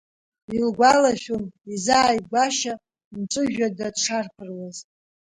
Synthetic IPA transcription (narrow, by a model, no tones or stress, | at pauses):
ilɡʷalaʃʲumizaːjɡʷaʃa | mʈ͡ʂʷʼɨʒᶣadadʈ͡ʂʰarpʰɨrwaz